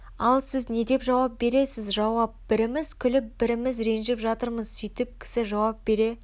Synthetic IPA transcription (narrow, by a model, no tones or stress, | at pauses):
ɑlˠsɪzne̞d̪e̞pʒɑwɑp̚be̞ɾe̞sɪzʒɑwɑp̚b̥ɪɾɪmɪz̥kʲʰʏlɪp̚bɪɾɪmɪzɾe̞nʒepʒɑt̪əɾməzsʏjt̪ɪp̚kʲʰɪ̥sɪʒɑwɑp̚b̥e̞ɾe̞